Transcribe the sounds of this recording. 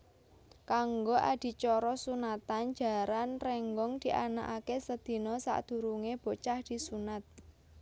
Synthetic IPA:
kaŋɡoʔad̪̥i̤t͡ʃɔɾɔsunat̪and͡ʒ̥a̤ɾanrɛŋɡɔŋd̪̥i̤ʔanaʔakesəd̪̥i̤nɔsa̰ʔd̪̥ṳɾuŋeb̥o̤t͡ʃahd̪̥i̤sunat̪̚

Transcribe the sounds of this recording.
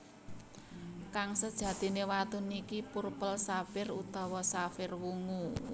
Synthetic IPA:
kaŋsəd̥ʒ̥ä̤d̪̥i̤newat̪unikipurpəlsafɪrud̪̥ɔ̤wɔsafɪrwuŋu

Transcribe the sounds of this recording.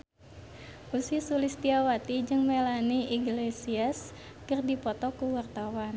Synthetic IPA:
ʔusisulist̪iawat̪id͡ʒɨŋmelaniiɡlesias | kərdipɔt̪ɔkuwart̪awan

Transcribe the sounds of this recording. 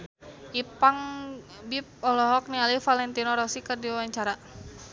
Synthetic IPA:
ʔipaŋ | bip̚ɔlɔɦɔk̚nialifalɛnt̪inɔɾɔsikərdiwawaɲt͡ʃaɾa

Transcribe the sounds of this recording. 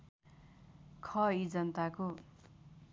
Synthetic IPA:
kʰʌid͡zʌnt̪ako

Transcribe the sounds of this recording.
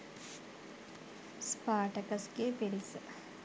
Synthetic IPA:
spaːʈəkɐsɡeːpeɽisə

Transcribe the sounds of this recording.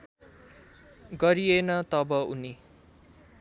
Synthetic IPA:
ɡʌɾijenʌt̪ʌbʌṵni

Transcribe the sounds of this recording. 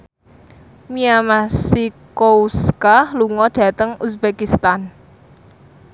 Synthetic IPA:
miamasikouskahluŋɔɖ̥ä̤t̪əŋusbekist̪an

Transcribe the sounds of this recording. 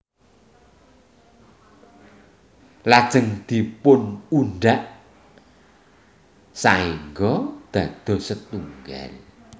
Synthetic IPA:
lad̥ʒ̥əŋd̪̥i̤pʊnuɳɖaʔ | saeŋɡɔd̪̥a̤d̪̥ɔ̤sət̪uŋɡa̰l

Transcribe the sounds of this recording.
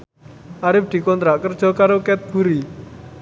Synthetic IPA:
ʔaɾɪp̚d̪̥i̤kɔnt̪ɾaʔkərd̥ʒ̥ɔ̤kaɾokɛt̪̚b̥uɾi

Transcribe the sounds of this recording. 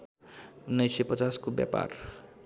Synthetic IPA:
nəjsepət͡saskobja̰pa̰ɾ

